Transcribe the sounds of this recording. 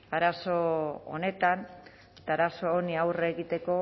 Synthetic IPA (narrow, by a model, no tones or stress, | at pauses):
aɾaso̞o̰ne̞t̪an | t̪aɾaso̞ːniawreːɣit̪e̞ko̞